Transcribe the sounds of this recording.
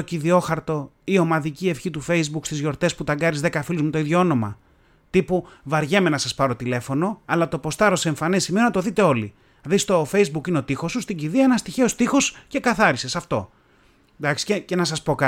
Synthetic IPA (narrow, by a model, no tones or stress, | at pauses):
ociðio̞xɐɾt̪o̞ | io̞mɐðicie̞fçit̪ufe̞jzbukst̪izʝo̞ɾt̪e̞sput̪ɐɡɐɾizðe̞kɐfilizmut̪o̞iðʝoono̞mɐ̰ | t̪ipuvɐɾʝe̞menɐsɐspɐɾo̞t̪ile̞fo̞no̞ɐlɐt̪o̞po̞st̪ɐɾo̞se̞ɱfɐnesimeonɐt̪o̞ðit̪e̞o̞li | ðist̪o̞fe̞jzbukineot̪ixo̞sust̪iɟiðiɐenɐst̪içe̞o̞st̪ixo̞sce̞kɐθɐɾise̞sɐft̪o̞ | d̪ɐksi̥cece̞nɐs̬ɐspo̞kɐ